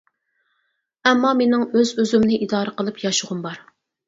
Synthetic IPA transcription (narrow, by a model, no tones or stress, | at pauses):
ɛmːɑmenɪŋøzøzymnɪʔid̪ɑːɾəqəlˠɨpjɑʃuʁʊmbɑɾ